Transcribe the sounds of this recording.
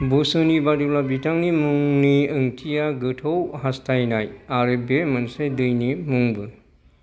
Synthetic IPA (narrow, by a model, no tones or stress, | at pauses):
busɯnibadiplabitʰaŋnimuŋniɯŋtʰijaɡɯtʰowhastʰajnajaɾɯbemansedɯjnimuŋbɯ